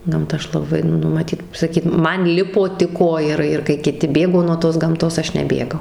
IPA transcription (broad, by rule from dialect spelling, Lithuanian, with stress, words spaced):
ˈɡɐmtɐ ˈɐʃ lˠɐˈbɐɪ ˈnʊ mɐˈtʲiːt sɐˈkʲiːt ˈmɐn ˈlʲɪpoː tʲɪk ˈoːjɛrɐɪ ɪr kɐɪ kʲɪˈtʲɪ ˈbʲeːɡoː nuɔ toːs ɡɐmˈtoːs ˈɐʃ nʲɛˈbʲeːɡɐʊ